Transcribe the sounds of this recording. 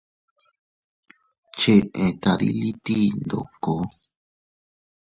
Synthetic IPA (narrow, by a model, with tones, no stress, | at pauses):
t͡ʃe˧ʔẽ˨t̪a˨ðḭ˦li˦t̪i˦nd̪o̰˨ko˦